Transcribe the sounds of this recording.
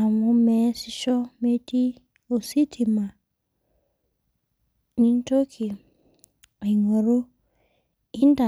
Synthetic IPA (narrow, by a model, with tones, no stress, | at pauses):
a˨mu˦mɛ˨si˦ʃɔ˦me˦ti˦ | o˨si˦tʰi˨ma˨ | ni˦n˦to˦kʰi˨ | a˨ŋo˨ɾo˦ | i˦nda˨